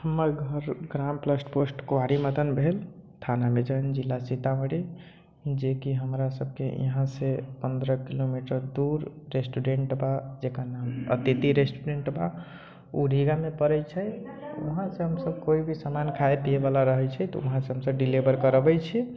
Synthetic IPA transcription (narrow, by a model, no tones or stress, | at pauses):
həmːəɾɡʱəɾɡɾampləsʈposʈkoaɽiməd̪ənbʱelt̪ʰanamed͡ʒənd͡ʒilːasit̪ameɽi | d͡ʒekiɦəmɾasəb̚ʱkeḭɦãsepənd̪ɾəkilomiʈəɾd̪uɾːesʈuɖeɳʈbad͡ʒekanamə̰t̪it̪iɾesʈuɖeɳʈba | uɾʱiɡamepəɾɛt͡ʃʰɛuɦãsẽɦəmsəbkoibʱisamankʰaet̪iebalaɾəɦɛt͡ʃʰɛt̪ɔ̰ṵɦãseɦəmsəb̚ɖilibəɾkəɾbɛt͡ʃʰɛ